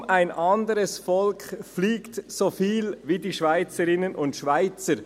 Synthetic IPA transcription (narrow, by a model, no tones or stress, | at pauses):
mʔaɪnʔɑndəɾəsfɔlkʰfliːktsofiːlvidiːʃv̥aɪt͡səɾɪnənʔʊntʃvaɪt͡səɾ